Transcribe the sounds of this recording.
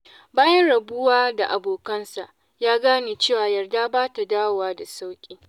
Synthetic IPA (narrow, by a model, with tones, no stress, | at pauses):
baː˦jɐ˦nɽɐ˨bʊ˦waː˦da˨ʔa˨boː˨kɐ˦nsa˨ʔ | jaː˦ɡaː˦niː˨t͡ʃeː˦˨waː˨jɐ˨rda˦baː˦ta˨daː˦wo˨waː˦da˨sa˦wkʲʼiː˦